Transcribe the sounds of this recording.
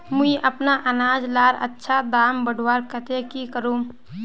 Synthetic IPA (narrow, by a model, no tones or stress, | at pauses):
mʊiʔɐpnaʔɐnaːd͡ʒlaːɾɐ̰tːʃʰad̪aːmbəɖʱwaːɾkət̪ekikəɾuː